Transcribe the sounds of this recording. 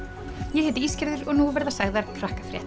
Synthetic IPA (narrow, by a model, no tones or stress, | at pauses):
jɛhɛːt̪ɪiːscaɾðʏɾɔɣnuvɛɾðasaɣðaɾ̥pʰɾahkḁfɾjɛ̰ht̪